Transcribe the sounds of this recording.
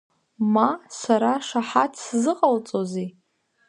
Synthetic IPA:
masaɾaʂaħatʰszɨqʼalt͡sʼozi

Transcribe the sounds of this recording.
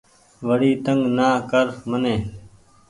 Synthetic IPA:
ʋəɽiːt̪əŋɡnaːkəɾmənẽː

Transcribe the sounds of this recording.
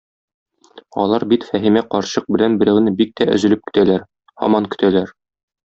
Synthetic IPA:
ɒ̰lˠɑɾbit̪fæɦimæqɒɾɕɤq̚bɘ̆lænbɘ̆ɾæwnɘbik̚t̪æʔɵ̰̆zɵ̆lɘp̚kɘ̥̆t̪ælæɾ | hɒ̰mɑŋkɵ̆t̪ælæɾ

